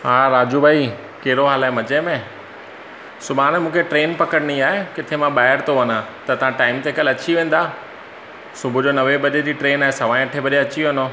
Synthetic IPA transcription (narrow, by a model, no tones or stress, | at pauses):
ɦaɾaːd͡ʑubʱaːi | keɦɾoɦaːlãːmɐt͡ɕemẽ | sʊbʱaːnmũːkʰeʈɾeːnpɐkəɽniaːɦekɪt̪ʰemãɓaːɦɪɾt̪ʰoʋɐnãt̪ɐt̪ɐʋ̤ãʈaːɪmt̪ekəlɐt͡ɕiʋẽːn̆d̪aː | sʊbʱʊd͡ʑoːnɐʋebɐɗed͡ʑiːʈɾeːnaːɦesɐʋaːɪ̃ʈʰebɐɗeɐt͡ɕiʋẽnoː